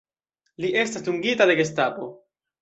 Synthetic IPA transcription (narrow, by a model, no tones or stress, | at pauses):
liʔe̞stasduŋɡitade̞ɡes̬tapo̞